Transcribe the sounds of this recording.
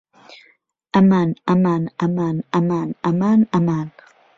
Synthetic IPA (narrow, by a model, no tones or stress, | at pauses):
ʔamanamanamanamanamanaman